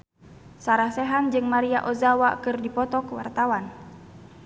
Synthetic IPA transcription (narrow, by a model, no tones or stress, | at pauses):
saɾahsɛɦand͡ʒɨŋmaɾia̰ʔɔzawakɨrdipɔt̪ɔkwa̰rt̪awan